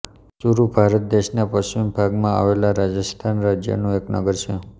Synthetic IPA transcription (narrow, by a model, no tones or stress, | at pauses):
suɾubʱaɾət̪̚d̪eʃnapəʃt͡ʃimbʱaɡmãa̰ʋelaɾad͡ʒəst̪ʰanɾad͡ʒjə̰nũeknə̰ɡəɾt͡ʃʰe